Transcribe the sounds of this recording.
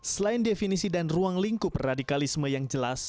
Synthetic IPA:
səlaɪndefinisidanruaŋliŋkʊpradikalisməjaŋd͡ʒəlas

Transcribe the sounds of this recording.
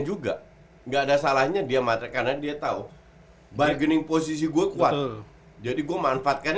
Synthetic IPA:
d͡ʒuɡa | ŋɡaːdasalahɲadiamat̪akarnadiat̪au | baɡənɪŋpos̬is̬iɡuakuat̪̚ | d͡ʒadiɡuamanfaːt̪̚kan

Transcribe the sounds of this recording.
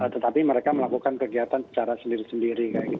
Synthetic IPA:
ət̪ət̪apiməɾekaməlakukankəɡiat̪ansə̥t͡ʃaɾasəndiɾisəndiɾikajaɡit̪

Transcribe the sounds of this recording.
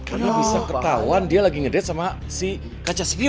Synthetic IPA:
karnabisakət̪auandialaɡiŋədɛt̪̚sama | si | kat͡ʃasipi

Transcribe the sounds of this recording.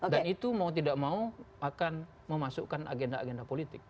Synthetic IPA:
dannit̪umaut̪̬idaʔmau | akan | məmasukana̰ɡendaa̰ɡendapolit̪ɪk̚

